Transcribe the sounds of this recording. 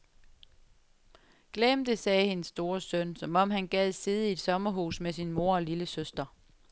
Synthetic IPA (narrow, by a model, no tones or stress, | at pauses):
ɡ̥lemd̥əsɛːhe̝nəsːd̥o̝ːɐsœnsɒ̽mɒ̽m̰hænɡ̥ɛð̰ˠsiːð̞ˠəie̝d̥sɒ̽mɐɦṵːsmesinmo̝ɐ̰ɒ̽liləsøsd̥ɐ